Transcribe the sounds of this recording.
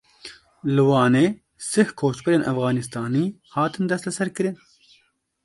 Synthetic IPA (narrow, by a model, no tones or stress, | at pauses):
lɨwɑːneː | sɨhkʰoːt͡ʃbɨɾeːnʔæfɣɑːnist̪ɑːniːhɑːt̪ɨnd̪ɛst̪lɛsɛɾkɨɾɨn